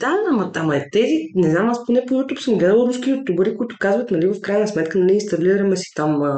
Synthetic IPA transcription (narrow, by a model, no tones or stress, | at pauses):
d̪aamɐt̪amɐɛt̪ɛzinɛznamasponɛpoɡɡot̪upsəmɡlɛd̪əlˠɾusk̟iot̪ːubɐɾikʊit̪ʊ̥kazvət̪nɐlivəfkɾajnəsmɛt̪kənɐlʲiːnst̪ɐliɾəmɛsi̥t̪am